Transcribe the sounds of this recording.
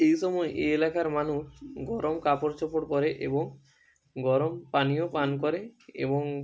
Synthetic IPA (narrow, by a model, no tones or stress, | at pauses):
ejʃɔmɔeʔḛelakaɾmanuʃɡɔɾomkapoɾt͡ɕopoɽpɔɾeʔeboŋ | ɡɔɾompanijopankɔɾeḛboŋ